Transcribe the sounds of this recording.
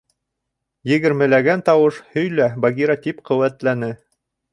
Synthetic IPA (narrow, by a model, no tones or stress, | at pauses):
jɘ̆ɡɘ̆ɾmɘ̆læɡænt̪ɑwɤʃhɵ̆jlæbɐɡʲiɾɑt̪ipqɵ̆wæt̪lænɘ